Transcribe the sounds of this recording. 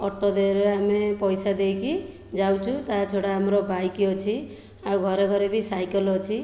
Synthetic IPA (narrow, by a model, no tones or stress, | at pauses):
ɔʈɔd̪eɾeamepɔjsad̪ejkʰi | d͡ʒawt͡ʃʰut̪at͡ʃʰoɽaːmɔɾɔbajkiɔt͡ʃʰi | awɡʱɔɾeɡʱɔɾebisajkɔlɔt͡ʃʰi